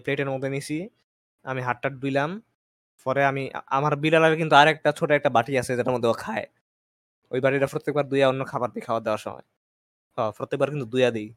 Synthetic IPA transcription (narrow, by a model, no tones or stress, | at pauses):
pleʈeɾmod̪ʱːenit͡ɕʰi | amiɦaʈːaʈ̚dujlam | pɔɾeamḭa̰maɾbilalabekint̪uaɾɛk̚ʈat͡ɕʰoʈoɛk̚ʈabaʈiasʰed͡ʑaaɾmod̪ʱːoakʰae | ojbaʈiɾapɾot̪ːek̚baɾd̪ujaonːokʰabaɾbikʰaoad̪eoaɾʃɔ̰ma̰j | hɔpɾot̪ːek̚baɾkint̪ud̪ujad̪ej